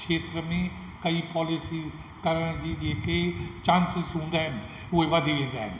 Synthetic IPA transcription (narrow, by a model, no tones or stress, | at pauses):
ʃeːt̪ɾəmẽː | kəiːpɔːlɪsiː | kəɾəɳ̃d͡ʒiːd͡ʒeːkeːt͡ʃãːnsɪzɦõːnd̪aːɦɛn | oeʋəd̪ʱiɾẽːnd̪aːɦɛ̰n